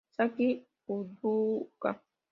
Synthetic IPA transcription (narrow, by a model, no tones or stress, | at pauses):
saki | uduka